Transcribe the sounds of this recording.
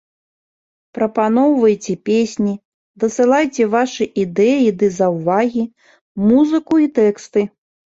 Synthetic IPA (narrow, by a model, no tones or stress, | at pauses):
pɾɐpanɔwvɐjt͡sʲɛpʲesʲnʲi | d̪ɐsɨlˠajt͡sʲɛvaʂɨʔid̪ɛjid̪ɨzɐwvaɣʲi | muzɨkuit̪ɛkst̪ɨ